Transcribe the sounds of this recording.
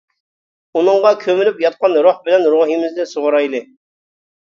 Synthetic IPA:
unɨŋʁɑkʲʰømylypjɑt̪̚qɑnɾohbɪlɛnɾoɦimɪzd̪ɪsoʁʊɾɑjlˠɨ

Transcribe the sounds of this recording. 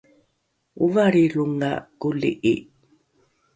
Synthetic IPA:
uvaɾiluŋa̰kulḭʔḭ

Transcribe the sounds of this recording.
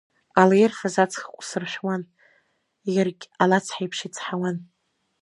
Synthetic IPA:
alajerχazat͡sʰχkʷʼsɨrʃʷᶣwan | jɪrɡʲalat͡sʰħajpʰʃɪt͡sʰħawan

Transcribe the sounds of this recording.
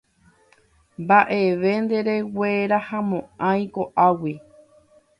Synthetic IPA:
mbaʔeʋe̞nd̪e̞ɾe̞weɾahãmõãj̃koʔawi

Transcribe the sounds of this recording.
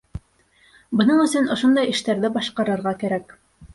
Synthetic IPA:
bɤ̆nɤɴɵ̆sɵnŏʃond̪ɑjɘ̆ʃt̪æɾðɘbɑʃqɑɾɤ̆ɾʁɑkæɾæk

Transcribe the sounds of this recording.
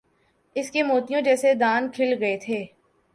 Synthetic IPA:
ɪskemoːt̪ijõd͡ʒɛːsed̪aːnkʰɪlɡɐet̪ʰeː

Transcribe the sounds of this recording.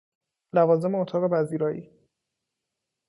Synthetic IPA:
lævɒːze̞meot̪ʰɒːɣe̞bæziːɾɒːjiː

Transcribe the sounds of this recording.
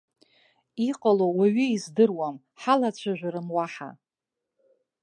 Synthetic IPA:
iqʼalowaɥiizdɨrwam | ħalat͡ɕʷʰaʒᶣʷɾɨmwaħa̰

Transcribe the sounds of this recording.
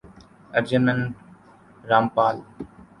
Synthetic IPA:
əɾd͡ʑənənʈ | ɾaːmpaːl

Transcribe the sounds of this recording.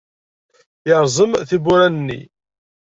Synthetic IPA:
jəɾˤzˤəmθibuɾænənːḭ

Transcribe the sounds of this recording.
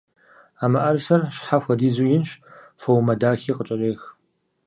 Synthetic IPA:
aːmɐʔɐrsɐrʃħaxʷɐdiːzujɪnɕfɐwmɐdaːxiːqət͡ʃʼɐreːx

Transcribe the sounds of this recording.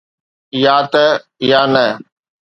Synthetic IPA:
jaːt̪ə | jaːnə

